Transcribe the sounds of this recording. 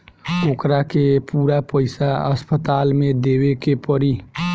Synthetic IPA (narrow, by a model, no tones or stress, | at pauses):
oːkɾakepuːɾapəɪsaəspət̪aːlmẽd̪ewekepəɾi